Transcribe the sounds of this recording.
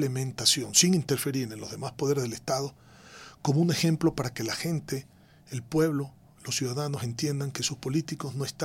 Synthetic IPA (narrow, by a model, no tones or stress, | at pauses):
lemẽnt̪asjo̞nsiŋint̪e̞ɾfe̞ɾiɾnenlo̞zðemaspo̞ðe̞ɾezðelest̪aðo | ko̞moune̞xe̞mplo̞paɾake̞laxe̞nt̪e̞ː | lpwe̞βlo̞ | losjuðaðanose̞nt̪je̞nd̪aŋkesuspo̞lit̪iko̞zno̞est̪a